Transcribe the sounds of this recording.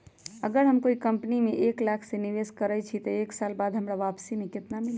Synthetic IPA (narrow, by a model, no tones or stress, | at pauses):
əɡəɾɦəmkoikəmpnimeʔeklakʰseniʋeskəɾɛt͡ʃʰit̪əeksalbad̪ɦəmɾaʋapsimeket̪namil